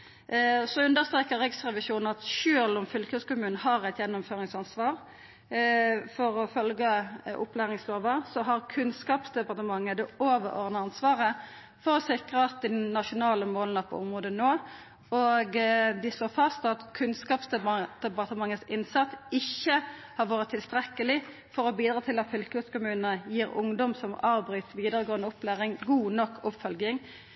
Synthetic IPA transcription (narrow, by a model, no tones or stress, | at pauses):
sɔʉnd̪əɾst̪ʁeːkəɾʁɪksʁɛʋɪʃuːnn̩ɑt̪ʃøːlɔmfʏlkʰəskʊmʉːnəɦɑʁæɪt̪jɛnːʊmføːʁɪŋsɑnsʋɑːʁ | fɔʁɔfœlɡəʔʊ̰plæːʁɪŋsloːʋəsɔɦɑʁkʰʉnskɑːpsd̪ɛpɑʁt̪əmɑŋːəd̪ɛoːʋəɾɔ̰ʁnəɑnsʋɑːʁə | fɔʁɔsɪkʁəɑt̪̚d̪ɪdnɑʃʊnɑːləmoːlnɑpʰɔ̰ʊmʁoːd̪ənoː | ɔɡd̪ɪsloːfɑst̪ɑt̪kʰʉnskɑːpsd̪d̪̥ɛpɑʁt̪əmɑŋːəsɪnsɑt̪ːɪçːə | hɑʁʋoːʁət̪ʰːɪlst̪ʁɛkːəlɪ | fɔɾɔbiːd̪ɾʁɑːt̪ɪlɑt̪fʏlkʉskʊmʉːnnəjiːɾʊ̰ŋd̪ɔmsɔmɑːʋbʁyːt̪ʋiːd̪əʁəɡoːənəʊplæːʁɪŋɡuːnɔkʰːʊpfœlɡɪŋ